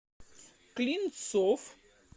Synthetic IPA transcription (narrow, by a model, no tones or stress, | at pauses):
klint̪sof